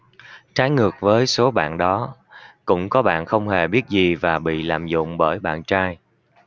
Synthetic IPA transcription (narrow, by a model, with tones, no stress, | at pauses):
t͡ɕaː˨˦jŋɨ˨˩ək̚vəː˨˦jso˨˦ɓa̰ː˧˨nɗɔ˨˦kʊ̰˧˥ŋ͡mkɔ˨˦ɓa̰ː˧˨nxə˧wŋ͡mhe˨˩ɓi˦˥ət̚zi˨˩vaː˨˩ɓḭ˧˨laː˨˩mzʊ̰˧˨ŋ͡mɓəː˧˩jɓa̰ː˧˨nt͡ɕaː˧j